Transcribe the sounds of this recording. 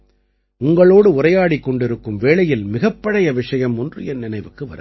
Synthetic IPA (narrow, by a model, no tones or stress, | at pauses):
ʊŋɡɐɭoːɽɯʊrɐjaːɽikːɔɳɖɪɾɯkːɯmʋeːɭɐjɪlmɪɣɐpːɐɽɐjɐʋɪʂɐjɐmɔndrɯjɐnɪnɐɪʋɯkːɯʋɐ̰ɾɐ̰